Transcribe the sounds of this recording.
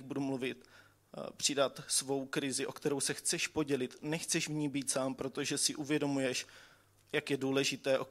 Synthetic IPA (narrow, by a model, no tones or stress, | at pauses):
budumluvɪt̪ | pr̝̥ɪdat̪svo̞wkɾɪzɪʔo̞kt̪ɛɾo̞wsɛxt͡sɛʃpo̞ɟɛlɪt̪nɛxt͡sɛʃvɲiːbiːt̪saːmpɾo̞t̪o̞ʒɛsɪʔuvjɛdo̞mujɛʃ | jakjɛduːlɛʒɪt̪ɛːʔo̞